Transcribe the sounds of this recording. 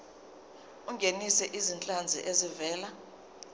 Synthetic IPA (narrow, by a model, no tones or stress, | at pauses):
uŋɡʱenisɛʔizint͡ɬʼand͡zʱḭʔezivɛːla